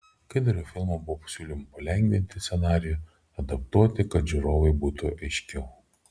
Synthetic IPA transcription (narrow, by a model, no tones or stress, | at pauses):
kɐɪd̪ɐɾʲoːfʲɪlˠmobʊʋɔːpɐ̥sʲuːlʲɪmɐpɐlʲɛŋʲɡʲʋʲɪnʲt̪ʲɪsʲɛnɑːɾʲɪju | ɐd̪ɐp̚t̪uɔt̪ʲɪkɐt̪ʒʲuɾoːʋɐɪbuːt̪ʊʔɐɪʃʲkʲɛʊ